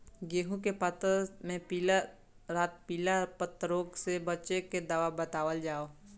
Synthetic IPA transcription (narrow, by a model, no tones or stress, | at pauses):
ɡeːɦũkepət̪mẽpila | ɾaːt̪̚piːlapət̪ːɾoːɡsebət͡ʃeked̪aːʋabət̪aːʋəld͡ʒaːoː